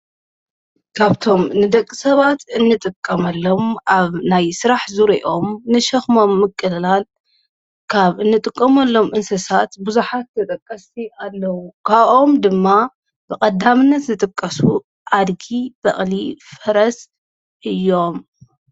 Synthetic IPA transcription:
kʰaβt̪ʰo̞mnɨd̪ɐkʼːisɐβat̪ɨnːɨt̪ʼɨkʼːɐmɐlːo̞mʔaβnajsɨɾaħzuɾiʔo̞mnɨʃɐxmo̞mːɨkʼːɨlɨlal | kʰaβɨnːɨt̪ʼɨkʼːɐmɐlːo̞mʔɨnsɐsat̪buzuħat̪ːɐt̪ʼɐkʼːɐsialːɐwukʰaβʔo̞md̪ɨmːa | b̥ɨkʼɐd̪amɨnːɐt̪zɨt̪ʼɨkʼːɐsu | ʔad̪ɡib̥ɐχʼlifɐɾɐs | ʔɨjːo̞m

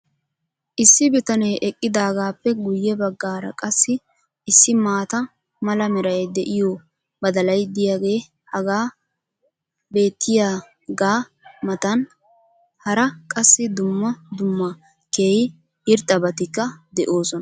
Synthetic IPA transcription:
ʔɪsːɪbɪt̪ɐnɛjʔɛkʼːɪd̪aːɡaːpːɛɡʊjːɛbɐɡːaːɾɐ̰kʼɐsːɪ | ʔɪsːɪmaːt̪ɐ | mɐlɐmɛɾɐjd̪ɛʔɪjo | bɐd̪ɐlɐjd̪ɪjaːɡe̞ː | hɐɡaː | be̞ːt̪ːɪjaː | ɡaː | mɐt̪ɐn | hɐɾɐkʼɐsːɪd̪ʊmːɐd̪ʊmːɐ | ke̞ːjɪ | ɪɾt̪ʼːɐbɐt̪ɪkːɐd̪ɛʔoːsɔnɐ

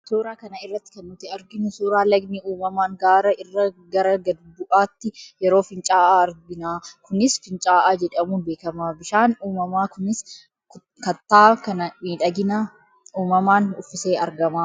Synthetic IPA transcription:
suːɾaːkɐnɐɪrːɐt̪ːɪ̥kɐnmʊt̪ɛɐɾɡɪnʊsuːɾaːlɐɡmiːuːmɐmaːŋɡaːɾɐɪrːɐɡɐɾɐɡɐd̪bʊʔaːt̪ːɪjɛɾo̞ːfɪnt͡ʃʼaːʔaːɐɾɡɪnaːkʊnɪsfɪnt͡ʃʼaːʔaːd͡ʒɛᶑɐmuːnbe̞ːkɐmaːbɪʃaːnuːmɐmaːkʊnɪs | kɐt̪ːaːkɐnɐmiːᶑɐɡɪna | uːmɐmaːnʊfːɪseːʔɐɾɡɐmaː

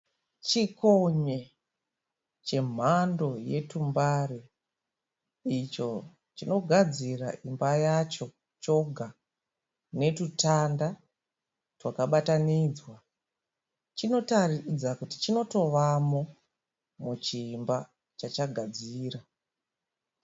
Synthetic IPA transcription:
t͡ʃikoɲe̞ | t͡ʃe̞m̤ando̞je̞tumbare | it͡ʃo̞ | t͡ʃino̞ɡʱad͡zira̰ʔimbajat͡ʃo̞ | t͡ʃo̞ɡʱa | ne̞tutanda | twakaɓatanid͡zwa | t͡ʃino̞tarid͡zakuti̥t͡ʃino̞to̞ʋamo̞ | mut͡ʃimba | t͡ʃat͡ʃaɡʱad͡ziːra

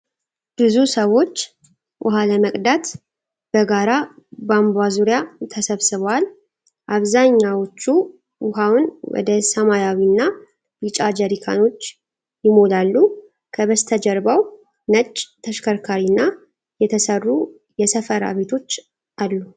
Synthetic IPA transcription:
b̥ɨzusəwo̞t͡ʃː | wʔʊ̰ɦaləməkʼd̪at̪ | b̥əɡaɾabambazuɾijat̪ʰəsəβsɨβwal | ʔaβzaɲːawot͡ʃːu | wʊɦawnwɔ̰d̪əsəmajawinːa | bɨt͡ʃʼad͡ʒəɾikʰa̰no̞t͡ʃː | jɪmo̞d̪alːu | kʰəβəst̪ʰəd͡ʒɛɾbəw | nət͡ʃʼːt̪ʰəʃkʰəɾkʰaɾinːa | jɛt̪ʰəsərːu | jɛsəfəɾa̰βe̞t̪ʰo̞t͡ʃː | ʔalːu

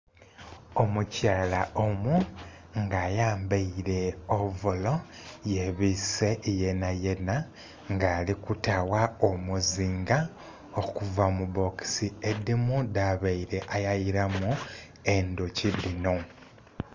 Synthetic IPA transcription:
omucaːlaomu | ŋɡaːjaːmbaiɾe̞ovulo̞jeβise̞je̞naje̞na | ŋɡaːlikutawaomuziːŋɡa | o̞kuvamuβo̞ksiedimudaβaiɾe̞ʔajajiɾamu | e̞ndocidino̞

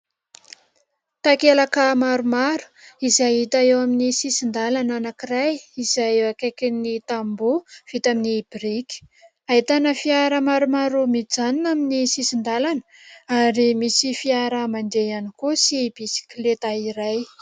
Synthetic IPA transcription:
t̪akelakəmaɾumaɾu̥izajɦit̪aewaminisisind̪alananakirajizajeakekinit̪ambuv̥it̪aminib̥iɾiki̥ | ait̪anəfiaɾəmaɾumaɾumid͡zaninaminisisind̪alanə̥ | aɾimisifiaɾəmand̪eanikosib̥isi̥klet̪aiɾaj

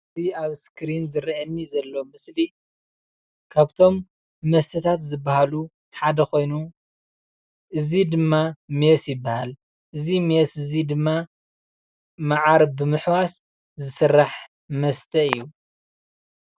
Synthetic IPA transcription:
ɨziaβskʰɾinzɨɾiɐnːizɐlːo̞mɨsli | kʰaβt̪ʰo̞mː | ɐst̪ʰɐt̪ʰat̪zɨbːahalu | ħad̪ɐko̞jnu | ʔɨzid̪ɨmːamjesjɪbːahal | ʔɨzimjesɨzid̪ɨmːa | maʕaɾbɨmɨħwas | zɨsɨrːaħ | mɐst̪ʰɐɨjːu

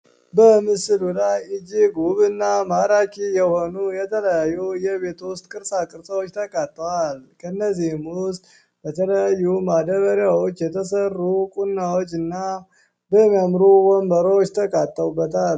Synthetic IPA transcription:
bəmɨsɨlulajɨd͡ʒiɡuβɨnːamaɾakʰijɛho̞nujɛt̪ʰələjajːujɛβe̞t̪wʊst̪ʼkʼɨɾsakʼɨɾsəwot͡ʃːt̪ʰəkʼat̪ʼːwalkʰənːəzːihmwʊst̪ʼ | bət̪ʰələjajːumad̪əβəɾjawo̞t͡ʃːjɛt̪ʰəs̬ərːukʼunːawot͡ʃːɨnːa | bəmijamɾuwombəɾowot͡ʃːt̪ʰəkʼat̪ʼːəwbət̪ʰal

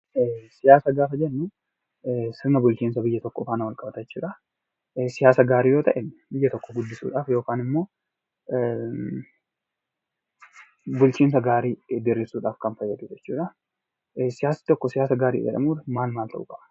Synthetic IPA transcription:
sɪjaːsɐɡaːfɐd͡ʒɛnːʊ | sɪɾnɐbʊlt͡ʃiːnsɐbɪjːɐt̪ɔkːɔfaːnɐwɐlkʼɐbɐt̪ɐt͡ʃːṵːᶑɐ | sɪjaːsɐɡaːɾiːjoːt̪ɐʔɛnbɪjːɐt̪ɔkːɔɡʊd̪ːɪsṵːᶑaːfjo̞ːkaːnɪmːo̞ː | bʊlt͡ʃiːns̬ɐɡaːɾiːd̪ɪɾɪsuːᶑaːfkɐnfɐjːɐd̪ʊd͡ʒɛt͡ʃːuːᶑɐ | sɪjaːsɐ̥t̪ɔkːɔsɪjaːsɐɡaːɾḭːd͡ʒɛ̰ᶑɐ̰muːᶑɐmaːlmaːlt̪ɐ̰ʔʊkʼɐbɐ̥

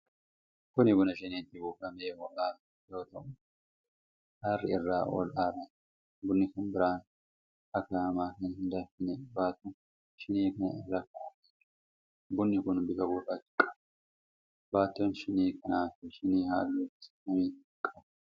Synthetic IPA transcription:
kʊnɪbʊnɐʃɪniːt̪ːɪbuːkɐmeːwɔʔʔaː | jo̞ːt̪ɐʔʊ | harːɪ̰ɪrːaːwɔ̰lʔaːɾɐn | bʊnːɪkʊnbɪɾaːn | ɐkːaːmaːkɛnhɪnd̪ɐfɪnɛbaːt̪ːɔn | ʃɪniːkɐnɐ̰ɪrːaːkːʊː | bʊnːɪkʊnbɪkɐbuːtɐt̪ɪ̥kʼːɐ̥b | baːt̪ːɔnʃɪniːkɐnaːfɛʃɪniːha̰ːlːut | ɐmiː | kʼːɐb

